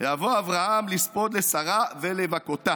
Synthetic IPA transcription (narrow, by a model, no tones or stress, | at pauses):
javoavʁahamlispod̪lesaʁavelevakot̪a